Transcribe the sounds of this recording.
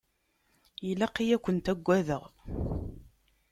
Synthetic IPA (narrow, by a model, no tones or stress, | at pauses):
jilæqijækʷːənt̪æɡʷːæðəʁ